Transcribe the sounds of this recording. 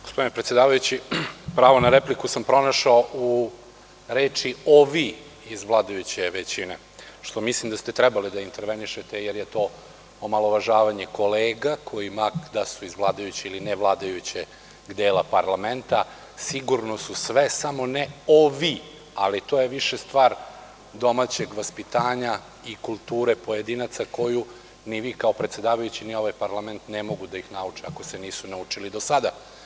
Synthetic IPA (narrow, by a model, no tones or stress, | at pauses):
ɡospo̞d̪inepɾet̪jed̪aːʋajut͡ɕipɾaːʋonaɾeplikusampɾo̞naʃaoʔu | ɾeːt͡ʂioʋi | izʋlˠaːd̪ajut͡ɕeʋet͡ɕine | ʃt̪o̞mislimd̪ast̪et̪ɾɛbalid̪aint̪eɾʋeniʃet̪ejeɾjet̪o̞ː | omalˠoʋaʒaːʋaɲeko̞leːɡakʰo̞jimakd̪asuizʋlˠaːd̪ajut͡ɕiilineʋlˠaːd̪ajut͡ɕe | ɡd̪eːlˠapaɾlˠament̪a | siɡuɾno̞susʋesamo̞neoʋi | alit̪oːjeʋiʃe̞st̪ʋaːɾ | d̪o̞mat͡ɕeɡʋaspit̪aːɲa | ikulˠt̪uːɾe̞po̞jed̪iːnat̪sako̞ju | niʋiːkao̞pɾet̪se̞d̪aːʋajut͡ɕinio̞ʋajpaɾlˠament̪nemo̞ɡud̪aixnaut͡ʂɛako̞seniːsunaut͡ʂilid̪osad̪a